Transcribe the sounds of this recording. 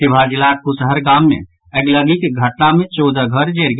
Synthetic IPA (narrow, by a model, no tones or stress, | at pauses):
ibʱaɾd͡ʒilakkusəɦəɾɡamːḛ | əɡləɡikɡʱəʈnamet͡ʃod͡ʒəɡʱəɾd͡ʒeɾɡ